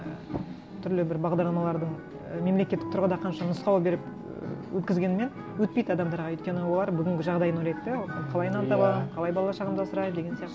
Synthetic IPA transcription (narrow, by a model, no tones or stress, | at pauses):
t̪ʰʏɾlɪbɪɾbɑʁd̪ɑɾlˠɑmɑlˠɑɾd̪əɴ | me̞mle̞kʲe̞t̪ːɪk̚t̪ʰʊɾʁəd̪ɑqʰɑnʃɑnʊsqɑwˠbe̞ɾɪp | wɵt̪kʲɪzɡʲe̞nɪme̞n | wɵt̪̚pejd̪ɑd̪ɑmd̪ɑɾʁɑɵjt̪kʲe̞nɪwo̞lˠɑɾbʏɡʲɪŋɡʲɪʒɑʁd̪ɑjənwoɾʲɑjt̪ːeoq̪ɑnqʰɑlˠɑjnɑnt̪ɑbɑqʰɑlˠɑjbɑlˠɑlˠɑʃɑʁəmd̪ɑosəɾɑjd̪e̞ɡʲenijɑqt̪